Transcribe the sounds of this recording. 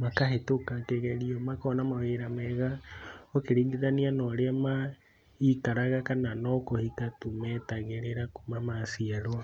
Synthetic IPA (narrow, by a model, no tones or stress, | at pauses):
makahetokakeɣɛɾiɔmakɔnamaweɾamɛɣaokeɾiːɲdiðanianɔɾeama | ikaɾaɣakananɔkohitatumɛtaɣeɾeɾakumamasiaɾo